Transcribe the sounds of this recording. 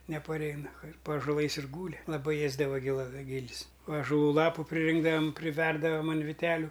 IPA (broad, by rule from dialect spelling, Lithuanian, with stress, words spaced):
nʲɛpɐˈrʲɛɪnɐ ɪr pɐ ɐʒoːˈlˠɐɪs ɪr ˈɡuːlʲɪ lˠɐˈbɐɪ ˈeːzdɐʋɐ ɡʲɪˈlˠɐ ˈɡʲɪlʲs ɐʒɐˈlˠuː ˈlˠɑːpʊ pʲrʲɪˈrʲɪŋɡdɐʋɐm pʲrʲɪˈʋʲɛrdɐʋɐm ɐn ʋʲɪˈtʲæːlʲʊ